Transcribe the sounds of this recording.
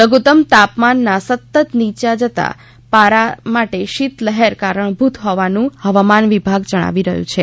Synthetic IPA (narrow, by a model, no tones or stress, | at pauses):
ləɡut̪əmt̪apmanːasət̪ːət̪nit͡ʃad͡ʒət̪a̰ | paɾamaʈeʃit̪ləɦeɾkaɾəɳ̃bʱut̪ʰɦɔʋanũhəʋamanʋibʱaɡd͡ʒəɽ̃a̰ʋiɾəɦjṵ̃t͡ʃʰe